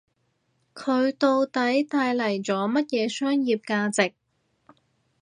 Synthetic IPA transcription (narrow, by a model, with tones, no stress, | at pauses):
kʰɵ˨˧ɥt̪o˧wt̪ɐ˨˥jt̪aː˧jlɐ˨˩jt͡sɔː˨˥mɐ˥t̚jɛː˨˧sœː˥ŋjiː˨p̚kaː˧t͡sɪ˨k̚